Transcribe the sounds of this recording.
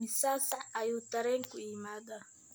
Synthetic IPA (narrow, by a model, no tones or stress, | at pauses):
isasaʔajutaɾɛŋkuimada